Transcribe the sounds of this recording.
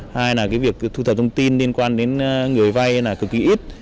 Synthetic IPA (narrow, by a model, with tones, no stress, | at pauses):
haː˧jnaː˨˩kaː˨˦jvi˨˩ək̚t̪ʰu˧t̪ʰə˨˩p̚t̪ʰə˧ŋ͡mt̪i˧nli˧ənkwaː˧nɗe˨˦nː˧ŋɨ˨˩əjva˧jnaː˨˩kɨ˨˩kːi˨˦ʔi˦˥t̚